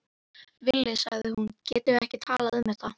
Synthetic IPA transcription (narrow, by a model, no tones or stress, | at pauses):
vɪlːɪsaɣðɪhuncɛːt̪ɪɛhcɪt̪ʰaːlaðʏmːɪ̥t̪a